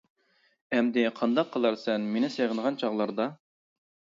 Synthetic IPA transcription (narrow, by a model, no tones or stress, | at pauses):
ɛmd̪ɪqʰɑnd̪ɑqʰːəlˠɑɾsɛnmenɪseʁənʁɑnt͡ʃʰɑʁlˠɑɾd̪ɑ